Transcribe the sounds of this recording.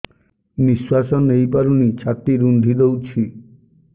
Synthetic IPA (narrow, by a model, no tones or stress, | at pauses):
miswasɔnejpaɾunit͡ʃʰat̪iɾund̪ʱid̪ewt͡ʃʰi